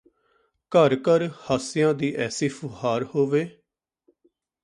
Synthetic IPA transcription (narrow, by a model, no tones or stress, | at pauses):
kəɾkəɾhaːsɪjãːd̪iːʔɛːsiːfʰʊhaːɾhoːʋeː